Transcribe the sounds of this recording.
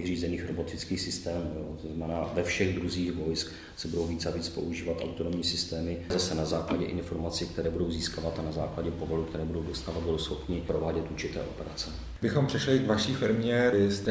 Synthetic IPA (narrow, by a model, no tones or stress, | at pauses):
riːzɛniːxɾo̞bo̞t̪ɪt͡skiːxsɪst̪ɛːmuo̰t̪oznamɛnaːvɛfʃɛɣd̪ɾuziːxvo̞jsk | sɛbudo̞wviːt͡saviːt͡spo̞̰ʔuʒiːvat̪ʔa̰wt̪onomɲiːsɪst̪ɛːmɪzasɛnazaːklaɟɛʔɪ̰nfo̞ɾmat͡sik̚t̪ɛɾɛːbudo̞wziːskavat̪anazaːklaɟɛpo̞volukt̪ɛɾɛːbudowdo̞st̪aːvat̪budowsxo̞pnɪpɾo̞vaːɟɛt̪uɾt͡ʃɪt̪ɛ̰ːʔo̞̰pɛɾat͡sɛ | bɪxompr̥ɛʃlɪɡvaʃiːfɪɾmɲɛst̪ɛ